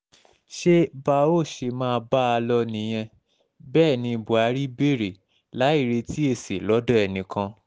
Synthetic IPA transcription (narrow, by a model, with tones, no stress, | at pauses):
ʃe˦ba˧o˦˨ʃe˧mãː˦˧ba˦a˧lɔ˧nĩ˨˧˦j̃ɛ̃˧ | bɛː˦˨nĩ˧˨bu˨a˨˧˦ɾi˦be˦˨ɾe˨ | la˨˦i˦˨ɾe˧ti˦e˦˨sḛ˨lɔ˨˦dɔ̃˦ɛ˨nĩ˨kã˧